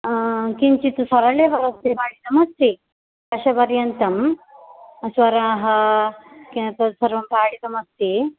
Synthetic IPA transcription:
kiɲt͡ʃit̪usɐɾɐleʋɐɾɐst̪ipaːɽit̪ɐmɐst̪i | kɐʃɐpɐɾjɐnt̪ɐm | ɐsʋɐɾaːɦɐ | kent̪ɐsɐɾʋɐmpaːɽit̪ɐmɐst̪i

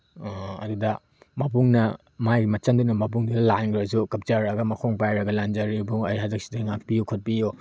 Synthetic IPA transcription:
ɐ̰dudɐ | mɐp̬uŋnɐ | majɡimɐt͡ʃɐmdunɐmɐp̬uŋdudɐlanɡɾɐs̬ukɐp̚t͡ʃaɾɐɡɐmɐkʰoŋpajɾɐɡɐland͡ʒɐɾibuŋɐjɦazɐk̚si̥dɐŋakpijokʰot̚pijo

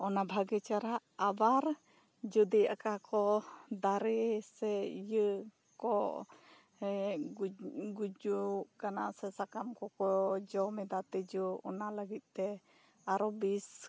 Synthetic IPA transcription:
ɔnabʱaɡɛt͡ʃaɾaʔːbaɾ | d͡ʒud̪iʔakakɔd̪aɾɛsɛjə | kɔ | ɛ | ɡud͡ʒuʔkanasɛsakamkɔkɔjɔd͡ʒɔmɛd̪at̪ɛd͡ʒuɔ̰naləɡit̪̚ˀt̪ɛ | aɾɔbis

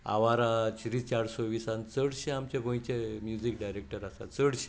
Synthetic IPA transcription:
a̰ʋaɾat͡ɕɾit͡ɕaɽsɔʋisant͡səɽɕẽamt͡ɕẽɡʱõjĩt͡ɕemjud͡ʑikɖajɾek̚ʈəɾasa̰t͡səɽɕe̥

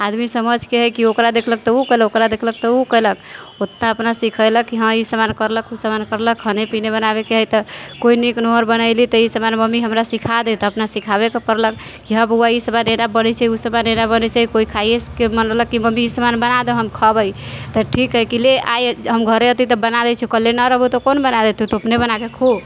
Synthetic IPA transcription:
ad̪misəməd͡ʒʱkeɦəkiokɾad̪ekʰlək̚t̪ɔukəlokɾad̪ekʰlək̚t̪ɔukələk | ot̪naəpnasikʰəjləkːiɦə̃isəmankəɾləkusəmankəɾləkɦənepinebənabekeɦəjt̪ɔkoiniknoɦəɾbənəɪlit̪əisəmanməmiɦəmɾasikʰad̪et̪ɔəpnasikʰaβekepəɾlək | kːiɦəbuaisəbanenabənɛt͡ʃʰaɦiusəbanenabənɛt͡ʃʰaɦikoikʰajeskemənələkːiməmiisəmanbənad̪oɦəmkʰəbəj | t̪əʈʰikɦəjkilea̰jɦəmɡʱəɾeət̪it̪ɔbənad̪ɛt͡ʃʰukəlːenaɾəbut̪ɔkonbənad̪et̪ut̪ɔəpnebənakekʰo

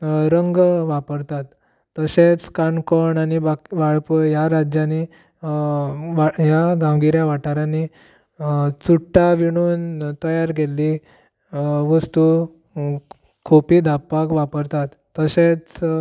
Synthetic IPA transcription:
ɾəŋɡʋapəɾt̪at̪ː | əset͡skaɳkoɳañibakiʋaɭpəjaɾad͡ʑjane | ʋajaɡãŋɡiɾjaʋaʈaɾani | t͡suʈːaʋiɽ̃uːnt̪əjaɾɡʱeli | ʋəst̪u | kʰupiːd̪ʱapːakʋapəɾt̪at̪ːəɕet͡s

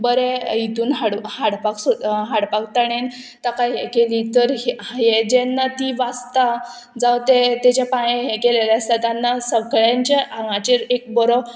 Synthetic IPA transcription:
bəɾeit̪uːnɦaɽhaɽpaksoɦaɽpak̚t̪əɽ̃en | t̪akajɦekeliːt̪əɾɦɦed͡ʑenːat̪iːʋast̪a | d͡zawt̪et̪et͡ɕjapãjẽɦekeleljast̪at̪janːasəkɭaɲt͡ɕeʔãŋɡãt͡ɕeɾek̚bəɾɔ

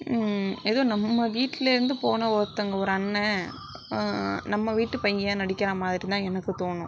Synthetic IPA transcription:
ɛðoːnɐmːɐʋiːʈːɪlɪɾɯnd̪ɯpoːnɐɔɾt̪ːɐŋɡɐɔɾɯɐnːɐ | nɐmːɐʋiːʈːɯpɐjɡjɐːnɐɽɪkːɐɾɐmaːðɪɾit̪ãːɛnɐkːɯt̪oːnʊ̃

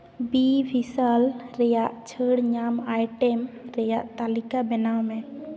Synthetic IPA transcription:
bibʱisalɾɛjaʔt͡ʃʰəɽɲamajʈɛmɾɛjaʔt̪alikabɛnawmɛ

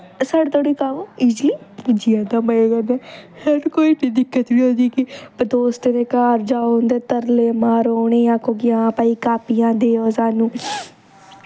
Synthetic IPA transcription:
saːɽet̪ʰoːɽiːkaːʋoːid͡ʒliːd͡ʒiːãːd̪aːməeɡəd̪ɛːhənkoːiːʈid̪ɪkːət̪ʋiːoːd͡ʒiːkɪbd̪oːst̪ed̪eːkaːɾd͡ʒaːoʊ̃nd̪eːt̪əɾleːmaːɾoːɳ̃eːjãːkoːɡɪjãːpaːiːkaːpijãːd̪eːoːzaːnũː

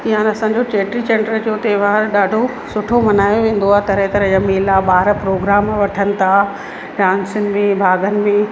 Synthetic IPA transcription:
iɦãːnɐsãːɲd͡ʑoʈeʈɾit͡ɕẽːɳɖəld͡ʑoːt̪eɦʋaːɾɗaːɖʱo | sʊʈʰomɐnaːjoʋẽːn̆d̪oaːɦt̪ɐɾɦẽt̪ɐɾə̃d͡ʑameːlaɓaːɾpɾoːɡɾaːmʋɐʈʰənɪ̆t̪ʰa | ɖaːnsʊnɪ̆mẽbʱaːɡənɪ̆mẽ

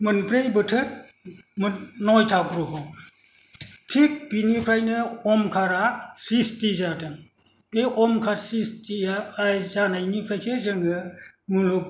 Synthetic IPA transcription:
mɯnpʰɾejbɯtʰɯɾ | mnɔjtʰakɾuɦɔ | tʰik̚binipʰɾajnɯɔmkʰaɾasistizadɯ | eɔmkʰaɾsistijaːjzanajnipʰajsezɯŋɯ | muluk̚

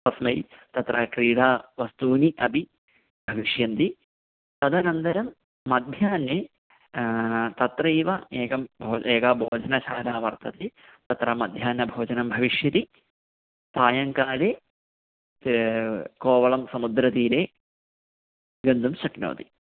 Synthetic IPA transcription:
pɐsmɐjt̪ɐt̪rʔɐkɾiːɽaːʋɐst̪uːniʔɐbʱi | bʱɐʋiʂjɐnt̪i | t̪ɐd̪ɐnɐnd̪ɐɾɐmː | ɐd̪ʱjaːnːjeː | t̪ɐt̪ɾɐiːʋɐeːɡɐmbʱoːeːkɐbʱoːd͡ʒɐnɐt͡ʃʰaːlaːʋɐrt̪ɐt̪eː | t̪ɐt̪ɾɐmɐd̪ʱjaːnːɐbʱoːd͡ʒɐnɐmbʱɐʋiʂjɐt̪i | t̪aːjɐŋkaːleː | koːʋɐɭɐmsɐmud̪ɾɐt̪iːɾeː | ɡɐnd̪umʃɐkno̰ːt̪i̥

